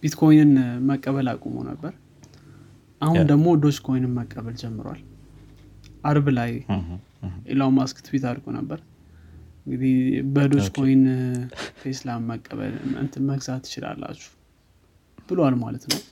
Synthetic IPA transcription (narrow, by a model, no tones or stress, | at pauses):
b̥it̪kʰo̞jnɨnməkʼːəβəla̰kʼumə̰nə̰bːəɾ | ʔahund̪əɡmo̞d̪o̞t͡ʃkʰo̞jnɨməkʼːəβəld͡ʒɛmːɨɾwa̰l | ʔaɾβlaj | ʔḛlawmaskɨ̥t̪bet̪aɾɡʼonə̰bːəɾ | ɨŋɡɨd̪ihbəd̪o̞t͡ʃkʰojn | fʰeslaməkʼːəβə̰lɨ̰nt̪ʰɨməɡzat̪ːɨ̥t͡ʃɪla̰lːa̰t͡ʃːu̥ | b̥ɨlwalmalət̪nəw